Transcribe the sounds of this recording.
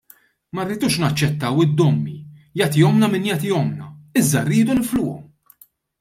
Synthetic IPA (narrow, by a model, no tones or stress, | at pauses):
mɐrːɪd̪uːʃnɐt͡ʃːɛt̪ːɐwɪd̪ːɔmːijɐt̪ɪjɔmnɐmɪnjɐt̪ɪjɔmnɐɪzːɐrːiːd̪unɪflʊːɔ̰m